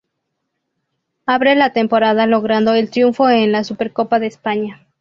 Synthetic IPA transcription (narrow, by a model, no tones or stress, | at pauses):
aβɾelat̪e̞mpo̞ɾaðalo̞ɣɾand̪o̞elt̪ɾjuɱfo̞enlasupe̞ɾko̞paðe̞ːspaɲa